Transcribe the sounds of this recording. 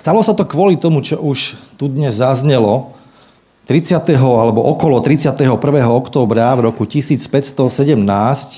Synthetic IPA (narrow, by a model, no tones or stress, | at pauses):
st̪alɔsat̪ɔkʋɔlit̪ɔmut͡ʃɔʔuʃt̪ud̪ɲɛzːazɲɛlɔ | t̪ɾit͡sɪat̪ɛɦɔalɛbɔʔɔkɔlɔt̪ɾit͡sɪat̪ɛɦɔpr̩ʋɛːɦɔɔkt̪ɔːbɾavɾɔkucisiːt͡spɛcst̪ɔsɛɟɛmnaːsc